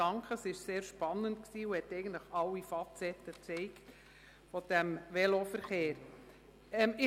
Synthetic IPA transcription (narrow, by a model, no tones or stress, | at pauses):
ɑŋkχəsɪʃseːɾʃpɑnːəntksiːuhɛt̪ɛɪɡən̩tləχɑlːifɑt͡sɛtːət͡sɛɪkt | fɔd̥ɛmʋɛlofəɾχeːɾ | ɛmɪ